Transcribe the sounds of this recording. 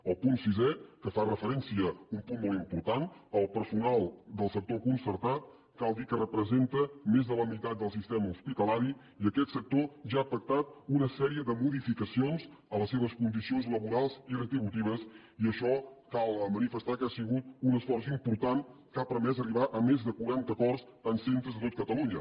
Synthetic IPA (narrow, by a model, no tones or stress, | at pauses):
əlˠpunsizɛkəfarəfəɾɛnsiəumpunmolˠimpuɾt̪anəlˠpəɾsunalˠd̪əlˠsək̚t̪okunsəɾt̪at̪̚ | kalˠd̪ikərəpɾəzent̪əmezðələmit̪at̪̚d̪əlˠsist̪ɛməuspit̪əlaɾi | iəkɛt̪sək̚t̪oʒaːpək̚t̪at̪̚unəsɛɾiəðəmuðifikəsionzələsːeβəskund̪isionzləβuɾalˠzirət̪ɾiβut̪iβ̞əs | iəʃɔkalˠmənifəst̪akasiɣut̪unəsfɔrsimpuɾt̪ankapɾəmɛzəriβaʔəmezðəkuɾant̪əkɔrst̪ansent̪ɾəzðət̪ot̪̚kət̪əluɲə